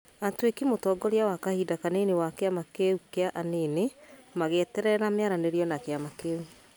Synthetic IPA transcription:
atwekimotɔɡɔɾeawakahidakanenewakeamakeukeaʔaneːnemaɣɛtɛɾɛɾameaɾaneɾiɔnakeamakeu

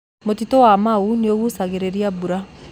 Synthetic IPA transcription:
motitowamauneoɣusaɣeɾeɾiabuɾa

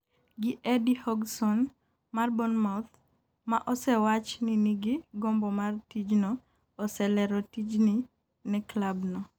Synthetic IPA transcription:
ɡɪʔɛdihɔɡsɔn | marbɔnmat̪ | maʔɔsɛwat͡ʃniniɡiɡɔmbɔmartid͡ʒnɔː | sɛlɛɾɔtid͡ʒni | nɛklabnɔ

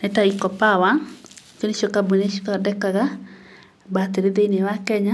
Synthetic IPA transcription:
nɛtaikɔpawat͡ʃonet͡ʃokabuneʃo̥kadɛkaɡa | bat̪eɾed̪enewakɛɲa

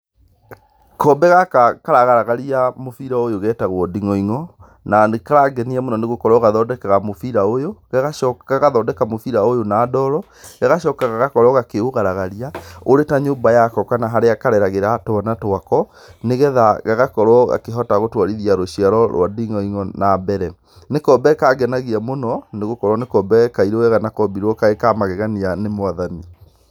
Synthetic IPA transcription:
kɔmbɛɣakakaɾaɣaɾaɣaɾiamofiɾaojoɣɛtaɣwɔdiŋɔiŋɔ | nanekaɾaɡɛniamunɔneɣokɔɾɔɣaðɔdɛkaɣamofiɾaojoɣaɣaʃɔkaɣaðɔdɛkamofiɾaojonaːdɔɾɔ | ɣaɣaʃɔːkaɣaɣakɔɾɔɣakeoɣaɾaɣaɾiaoɾetaɲoːmbajakɔkanaɦaɾeakaɾɛɾaɣeɾatoanatoakɔ | neɣɛðaɣaɣakɔɾwɔɣa̰keɦɔtaɣotwaɾiðiaɾoɕiaɾɔɾwadiŋɔiŋɔnabɛɾɛ | nekɔbɛkaːɡɛnaɣiamonɔneɣokɔɾwɔnekɔbɛkaiɾeoɛɣanakɔbiɾwɔkaekamaɣɛɣanianemoaðani

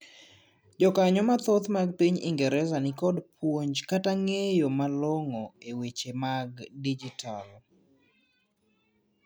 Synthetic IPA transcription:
d͡ʒɔkaɲɔmat̪ɔt̪maɡ̚piɲḭŋɡɛɾɛzanikɔdpʰwoɲd͡ʒkataŋejomalɔŋɔewet͡ʃemaɡdid͡ʒitʰal

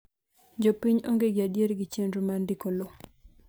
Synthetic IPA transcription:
d͡ʒopiɲoŋɡeɡɪadjeɾɡɪt͡ʃendɾumandikolo

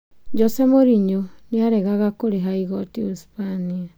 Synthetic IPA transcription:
d͡ʒɔsemoɾiɲoniaɾeɡaɣakoɾiɦaiɡɔtiuspania

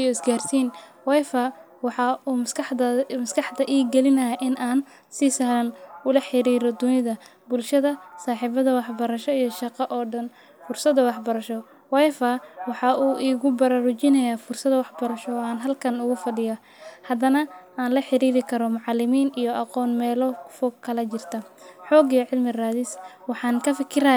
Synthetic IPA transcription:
jʊɪsɡaːrsiːn | wɛjfɐ | wɑħɑuːmsk̪ʰɐmɐskʰɑħd̪ɐʔiːɡɛlɪnɐjaʔɪnʔaːn | siːsaːɾɐnʊlɐħɪɾiːɾɔd̪ʊnɪðɐ | bʊlʃɐðɐsaːħiːβɐðɐwɑħbɐɾɐʃɔijɔʃɑqɑʔɔːɖɐn | fʊrsɐd̪ɐwɑħbɐɾɐʃɔ | wɑjfawɑħɑʔuːʔiːɣʊbɐɾaɾʊt͡ʃɪnɐjaːfʊrsɐðwɑħbɐɾɐʃɔaːnɦɐlkʰɐnʊɣʊfɐɖɪjɐ | hɐd̪ɐnɐaːnlɐħɪɾiːɾɪkʰɐɾɔmʊʕɑlːɪmiːnijɔʔɑqɔːnmɛːlɔfɔɡkʰɐlɐt͡ʃɪrt̪ʰɐħɔːɡiʕɪlmɪraːðɪswɑħɑːnkʰɐfɪkʰɪɾa

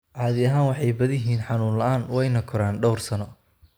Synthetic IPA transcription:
ʕɑːðɪɐɦaːnwɑħɑjbɐðjɪɦiːnħɑnuːnlɐʔaːnwɛjnɐkʰʊɾaːnɖɔwrsɐnɔ

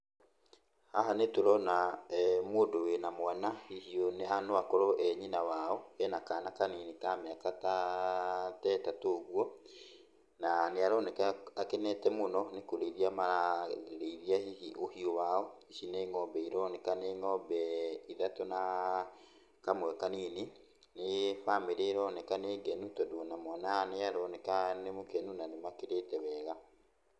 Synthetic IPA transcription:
haɦanetoɾɔnamoːdowenamwanahihioneanoakɔɾɔʔɛɲinawaɔɛnakaːnakaninikameakata | tɛtatoɣwɔ | naneaɾɔnɛkɛakɛnɛtɛmonɔnekoɾeiɾiamaɾaɾeiɾiaiiʔohiowaɔisineːŋɔbɛiɾɔnɛkaneŋɔbɛiðatona | kamwɛkanene | nefameɾeɾɔnɛkaneɡɛnutɔdonamɔnaneaɾɔnɛkanemokɛnunanemakeɾeːtɛβɛːɣa

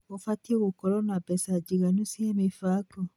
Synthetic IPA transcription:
ofatiɣokɔɾɔnabɛsad͡ʒiɣanusiemefakɔ

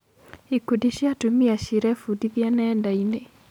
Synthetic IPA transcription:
ikudiɕjatomiaɕiɾɛfudiðjanɛːndaine

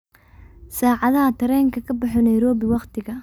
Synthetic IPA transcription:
saːʕɑðɐɦɐt̪ʰɐɾɛːŋkʰɐkʰɐbɑħɔnɐjɾɔːbɪwɑqt̪ʰɪɣɐ

